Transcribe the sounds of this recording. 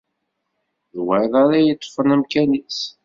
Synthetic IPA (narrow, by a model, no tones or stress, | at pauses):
ðwæjðˤɑɾæjət̪ˤːfənæmkænis